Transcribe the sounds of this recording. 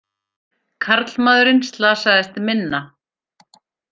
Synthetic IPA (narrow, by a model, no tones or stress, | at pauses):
kʰaɾt̪lmaːðʏɾɪnst̪laːsaɣðɪst̪ɪmɪnːa